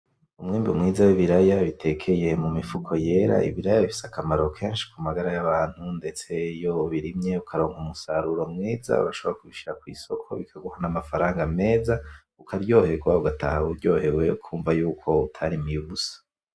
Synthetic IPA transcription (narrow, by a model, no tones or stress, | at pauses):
umŋiːmbiṵmŋiːzawiβiɾajaβitʰe̞kʰe̞je̞mumifukʰo̞je̞ːɾa̰ʔḭβiɾajaβifi̥sakamaɾo̞kʰeːnʃi̥kumaɡaɾajaβaːn̥hunde̞t͡se̞jo̞βiɾimɲe̞ukʰaɾo̞ːŋɡumusaɾuɾo̞mŋiːza̰βaʃo̞βoakuβiʃiakwḭːso̞kʰo̞̰βikʰaɡuhanamafaɾaːŋɡame̞ːza | ukʰaɾjo̞ːhekuaβuɡatʰa̰hauɾɟo̞ːhe̞we̞ukʰuːɱvajuːkʰo̞utʰaɾimijuβusḁ